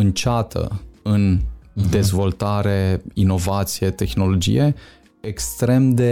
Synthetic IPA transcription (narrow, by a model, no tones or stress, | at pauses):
ɨnt͡ʃat̪ʰə̰ɨnd̪e̞zvo̞lt̪aɾe̞ino̞vat̪sije̞t̪e̞xno̞lo̞d͡ʒḭje̞ | ekst̪ɾe̞md̪e̞